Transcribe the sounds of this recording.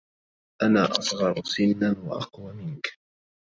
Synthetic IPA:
ʔanaːʔɑsˤɣɑɾˤsɪnːanwa̰ʔɑ̰qwamɪnk

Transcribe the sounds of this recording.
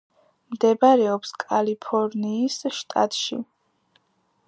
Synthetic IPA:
md̪ɛbaɾɛɔpskʼalipʰɔɾniːsʃt̪ʼa̰t̪ʼʃḭ

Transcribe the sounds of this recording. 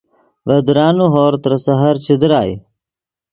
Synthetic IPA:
ʋɐd̪ɾaːnuɦoːɾt̪ɾɐsɐɦɐɾt͡ɕid̪ɾaːḭ

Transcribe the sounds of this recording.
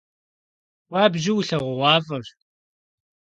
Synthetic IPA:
waːbʒɪwɬɐʁʷʊwɑːvɨr

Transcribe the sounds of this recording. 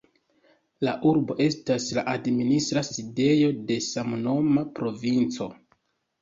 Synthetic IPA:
laʔuɾbo̞ʔe̞staslaʔadministɾaside̞jo̞de̞samuno̞mapɾo̞vint͡so̞

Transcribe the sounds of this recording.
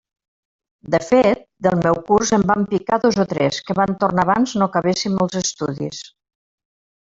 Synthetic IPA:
d̪əfet̪̚d̪əlˠmɛwkurzəmbampikaðozot̪ɾɛskəβant̪ornaβanznokəβesimːɔlˠzəst̪uðḭs

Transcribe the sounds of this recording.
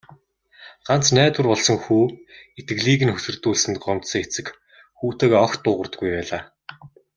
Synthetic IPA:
ɢ̥an̥t͡snæːt̪wʊ̆rpɔɮsɞ̆ŋxuːet̪ɡɘ̆ɮiːɣɘ̆nxɵsɵ̆rt̪uːɮsɘ̆nt̪ɢɔmt̪sə̆ŋet͡sɘ̆k | xuːt̪eːɣɔxt̪ːʊːʁə̆rt̪ə̆ɡujpæːɮaː

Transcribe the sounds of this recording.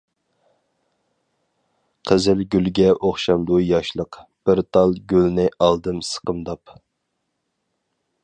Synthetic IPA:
qʰəzɪlɡʲylɡʲɛʔoχʃɑmd̪ujɑʃlˠəqb̥ɪɾt̪ʰɑlˠɡʲylnɪʔɑlˠd̪ɨmsə̥qəmd̪ɑp

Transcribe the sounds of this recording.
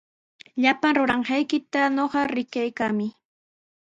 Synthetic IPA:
ʎapaŋɾʊɾɑɴɢɑjkɪt̪anoɢɑɾɪkajkaːmɪ

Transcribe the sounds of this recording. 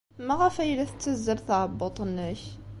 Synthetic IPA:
mæɣæfæjlæθə̥t̪ːæzːəɾθɑʕəbːot̪ˤənːəç

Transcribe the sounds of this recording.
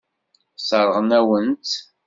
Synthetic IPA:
səɾˤəʁnæwənt̪

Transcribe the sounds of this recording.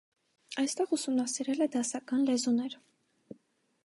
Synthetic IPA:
ɑjst̪ɛʁusumnɑsiɾɛlɛd̪ɑsɑkɑnlɛzunɛɾ

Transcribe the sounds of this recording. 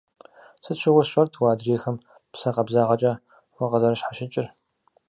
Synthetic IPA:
sɨtʃʰɪʁʷʊɕʷɐrtʰwaːdreːxɐm | psɐqɐbzaːʁɐt͡ʃʼɐ | wɐqɐzɐɾɐʃħaʃɪt͡ʃʼɪr

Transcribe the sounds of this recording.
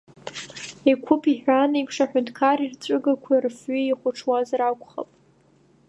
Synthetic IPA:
ekʷʰʊpʰiħᶣʷanikʰʂaħᶣʊntʰkʰarirt͡sʷʼʊɡakʷʰarfɥiiχʷʊʈ͡ʂʰwazɾakʷʰʼχa̰pʼ

